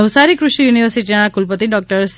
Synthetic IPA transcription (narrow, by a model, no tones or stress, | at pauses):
əwsaɾikɾuʃjuniʋəɾsiʈiããkulpət̪iɖɔk̚ʈəɾs